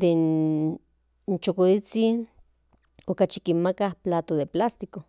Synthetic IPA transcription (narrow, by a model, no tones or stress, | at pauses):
d̪en | nt͡ʃokolit͡sin | okat͡ʃikinmakahplaːt̪oðeplast̪iko